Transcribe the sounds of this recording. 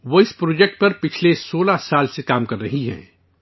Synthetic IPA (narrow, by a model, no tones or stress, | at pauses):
ʋoːɪspɾoːd͡ʒɛk̚ʈ̚pɐɾpɪt͡ʃʰlesoːlasaːlsekaːmkɐɾːɐɦiɦɛ̰ː